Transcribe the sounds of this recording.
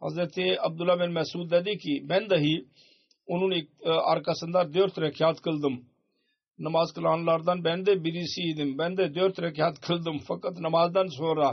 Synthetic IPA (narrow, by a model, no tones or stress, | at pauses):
ə̰zət̪eːəb̚d̪əlːaːbɪnmɛːsuːd̪ɛːd̪iːkiːbɛ̃ːnd̪aːɦiː | ʊnũːnɪk̚a̰ːɾkaːsənd̪aːɾd̪eːɾt̪ɾekʰjaːt̪kəld̪əm | nəmaːzkəlaːnlaɾd̪anbɛ̃ːnd̪eːbiːɾiːsiːd̪ɪmbɛ̃ːnd̪eːd̪joːɾt̪ɾekʰjaːt̪kʰəld̪əmfəkət̪nəmaːzd̪ansoːɾaː